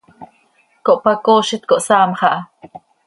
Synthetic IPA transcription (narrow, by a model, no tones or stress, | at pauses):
koʔpakoːʃit̪koʔsaːmχɑʔa